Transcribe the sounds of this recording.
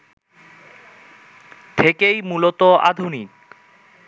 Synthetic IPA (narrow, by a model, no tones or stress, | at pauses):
t̪ʰekejmulot̪oa̰d̪ʱunik